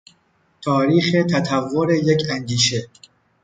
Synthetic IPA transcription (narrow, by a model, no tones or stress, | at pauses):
t̪ʰɒːɾiːxe̞t̪ʰæt̪ʰævːoɾejekʰænd̪iːʃe